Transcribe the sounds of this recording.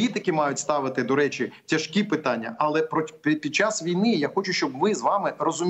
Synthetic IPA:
it̪ɪkɪmɑjʊtʲst̪ɑʋɪt̪ɪd̪ɔɾɛt͡ʃɪtʲɐʃkʲipɪt̪ɑnʲːɐ̰ʔɐlˠɛpɾɔpʲid̪̚t͡ʃasʋʲijnɪjaxɔt͡ʃʊʃt͡ʃɔbʋɪzʋɑmɪrɔzʊmʲ

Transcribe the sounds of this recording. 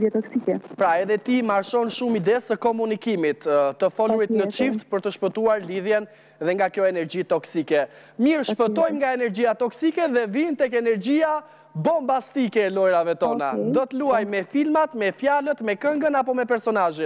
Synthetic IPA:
ɛt̪ɔksikɛpɾaɛðɛt̪imaɾʃɔnʃumid̪ɛsəkɔmunikimit̪t̪ːəfɔluɾit̪nət͡ʃift̪pəɾt̪əʃpət̪uaɾliðjɛn | ðɛŋɡakjɔɛnɛɾd͡ʑit̪ɔksikɛ | miɾʃpət̪ɔjmŋɡaɛnɛɾd͡ʑiat̪ɔksikɛðɛvint̪ɛkɛnɛɾd͡ʑia | bɔmbast̪ikɛːlɔjɾavɛt̪ɔna̰d̪ɔt̪əluajmɛfilmat̪mɛfjalət̪mɛkəŋɡənapɔmɛpɛɾsɔnaʒit̪

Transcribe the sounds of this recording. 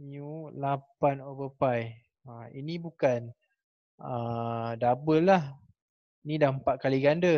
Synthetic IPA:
miulapanobəpaj | əḭnĩbukan | ədabəlah | inĩdahmpat̪̚kaliɡandə

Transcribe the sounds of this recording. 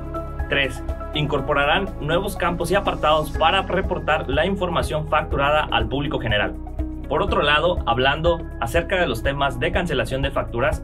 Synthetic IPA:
t̪ɾe̞s | iŋko̞ɾpo̞ɾaɾanːwe̞β̞o̞skampo̞siapaɾt̪aðo̞spaɾare̞po̞ɾt̪aɾlaiɱfo̞ɾmasjo̞ɱfak̚t̪uɾaðaʔa̰lpuβliko̞xe̞ne̞ɾa̰l | po̞ɾo̞t̪ɾo̞lað̞o̞aβland̪o̞ | ase̞ɾkaðe̞lo̞st̪e̞mazðe̞kans̬e̞lasjo̞nd̪e̞fak̚t̪uɾas

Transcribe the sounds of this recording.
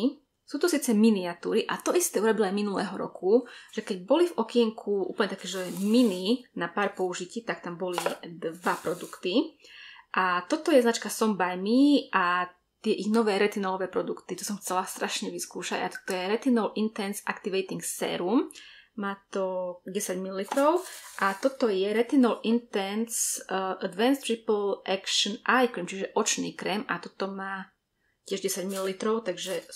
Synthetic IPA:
suːt̪usiːt͡sɛminiat̪uːɾiʔat̪ɔʔist̪ɛːuɾɔbilajminulɛ̰ːɦɔɾɔ̰kʰuʒ̥ɛkɛɟbɔlivɔkɪɛŋkʰuʔṵːpl̩ɲɛt̪akɛːʒɛɛmininapaːɾpɔuʒiciːt̪ak̚t̪ambɔlid̪ʋapɾɔd̪ukt̪i | ʔat̪ɔt̪ɔjɛznat͡ʃkasɔmbaʎmiʔa | t̪ɪɛʔiɣnɔʋɛːɾɛt̪inɔlɔʋɛːpɾɔd̪ukt̪it̪ɔsɔmxt͡sɛlast̪ɾʔaʃɲɛʋiskuːʃaɟa̰t̪ɔ̥t̪ɔjɛɾɛt̪inɔlʔint̪ɛnsa̰kt̪iʋɛjt̪iŋksɛ̰ːɾummaːt̪ɔɟɛsaɟmilːit̪ɾɔʊʔat̪ɔt̪ɔjɛɾɛt̪inɔlint̪ɛnsʔad̪ʋɛnst̪ɾipl̩ʔɛkʃənʔajkimt͡ʃiʒɛʔɔt͡ʃnḭːkɾɛmat̪ɔt̪ɔmaː | cɪɛʒɟɛsaɟmillit̪ɾɔʊt̪aɡʒɛ

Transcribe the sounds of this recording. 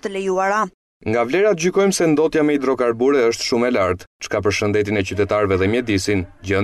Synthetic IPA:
t̪əlɛjuaɾa | ŋɡavlɛɾat̪əɟykɔjmsɛnd̪ɔt̪jamɛid̪ɾɔkaɾbuɾɛəʃt̪ʃumɛlaɾt̪t͡ʃkapəɾʃənd̪ɛt̪̬inɛcyt̪ɛt̪aɾvɛðɛmjɛd̪isind͡ʑə

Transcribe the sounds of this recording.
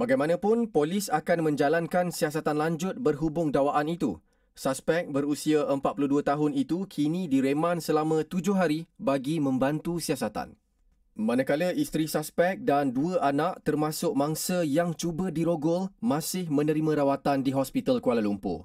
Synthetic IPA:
baɡajmãnãpʊnpolisakanmə̃ɲd͡ʒalankansias̬at̪anlaɲd͡ʒʊt̪̚bərɦubʊŋdawaʔanit̪ṵ | saspɛk̚bəɾusiaʔəmpat̪̚puluhduat̪aɦʊnit̪ukʰinĩdiɾemãnsəlamə̃t̪ud͡ʒʊhɦaɾibaɡimə̃mbant̪usiasat̪a̰n | mãnãkaləist̪ɾisaspɛk̚danduəʔanaʔt̪ərmãsʊk̚mãŋsəjaŋt͡ʃubədiɾoɡʊlmãsɪhmə̃nə̃ɾimãɾawat̪andiɦɔspit̪alkualalumpʊ̰

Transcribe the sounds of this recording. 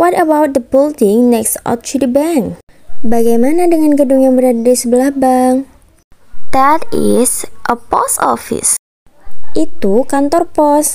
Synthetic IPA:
wɔtəbawt̪̚d̪əbildɪŋnɛksɔ̰t͡ʃudəban | baɡajmanadəŋanɡədʊŋjaŋbəɾadadisəbəlahbaŋ | d̪̥ɛt̪ɪsʔəpɔ̰sɔ̰fḭs | ʔit̪ukant̪ɔrpɔs

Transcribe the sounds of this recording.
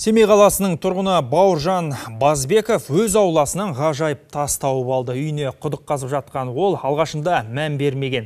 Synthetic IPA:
se̞mejqʰɑlˠɑsənəɴt̪ʰʊɾʁənəbɑwəɾʒɑnbɑzbe̞ko̞fwɵzɑwlˠɑsənɑɴʁɑʒɑjəp̚t̪ʰɑst̪ɑwəpɑlˠd̪əʏjəne̞qʰʊd̪əqʰːɑzəpʒɑt̪̚qɑnwo̞lˠɑlˠʁɑʃənd̪ɑmænbe̞ɾme̞ɡʲe̞n

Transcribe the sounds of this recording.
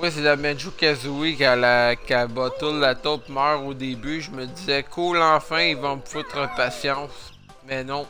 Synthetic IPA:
wis̬elamɛ̃nʒukazuikalakʲabɔt̪ʊt̪lat̪ɔp̚mœːʁod̪ebyʒəməd̪izɛkʰolɑ̃ːfɛ̃ivɔ̃mfʊt̪ʁəpasjɑ̃s | mɛnɔ̃

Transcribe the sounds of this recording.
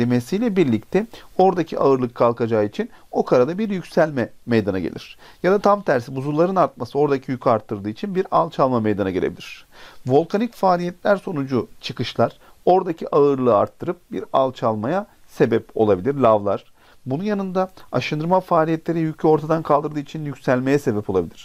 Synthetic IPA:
emesijlʲɛbiɾlʲic̚t̪ʰɛo̞ɾd̪acʰiʔaɯɾlˠɯkʰːalˠkad͡ʒaːit͡ʃʰino̞kʰaɾad̪abiɾjycsælʲmɛmejd̪ana̰ɟḛlʲḭɾ̥ | jad̪at̪ʰamt̪ʰæɾsibuzulˠaɾɯnaɾt̪̚masɯo̞ɾd̪acʰijycʰaɾt̪ʰːɯɾd̪ɯːit͡ʃʰinbiɾalˠt͡ʃʰalˠmame̞jd̪anaɟelʲebilʲiɾ̥vo̞lˠkʰanicfaːlʲijɛt̪lʲæɾso̞nud͡ʒut͡ʃʰɯkɯʃlˠaɾ̥ | o̞ɾd̪acʰiʔaɯɾlˠɯːa̰ɾt̪ʰːɯɾɯp̚bḭɾalˠt͡ʃʰalˠmaja | se̞bɛpo̞̰lˠabilʲiɾlʲavlˠaɾ̥ | bununjanɯnd̪aaʃɯnd̪ɯɾmafaːlʲijɛt̪lʲe̞ɾijycʰyo̞ɾt̪ʰad̪ankʰalˠd̪ɯɾd̪ɯːit͡ʃʰinjycsælʲmejɛse̞bɛpʰo̞lˠabilʲiɾ̥

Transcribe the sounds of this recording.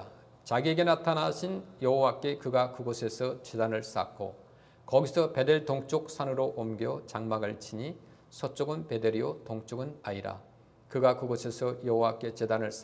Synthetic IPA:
t͡ɕaɡieɡe̞natʰanaɕʰinjʌɦowak͈e̞kɯɡakɯɡosʰe̞sʰʌt͡ɕedanɯɭs͈a̰k͈ʰo̰ | kʌɡisʰʌpe̞de̞ɭtoŋt͡ɕ͈ok̚sʰanɯɾoʔomɡjʌt͡ɕaŋmaɡɯɭt͡ɕʰiɲi | sʰʌt͡ɕ͈oɡɯnpe̞deɾiotoŋt͡ɕ͈oɡɯnaiɾa̰ | kɯɡakɯɡosʰe̞sʰʌjʌɦowak͈e̞t͡ɕe̞danɯɭs͈

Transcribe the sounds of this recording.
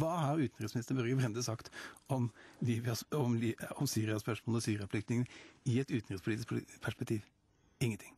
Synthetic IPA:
ʋɑːhɑɾʉːt̪n̩ɾɪsmɪnɪst̪əɾbœɾɡəbɾɛnd̪əsɑkt̪ɔmʋɪʋɑɔmiɔmsyːɾɪɑspœʂmoːlsyːɾɪɑflɪkt̪nɪŋənɪɛt̪ʉːt̪n̩ɾɛspʊlit̪ɪsppʰæʂpɛk̚t̪ʰiːʋ | ɪŋːənt̪ʰɪŋː

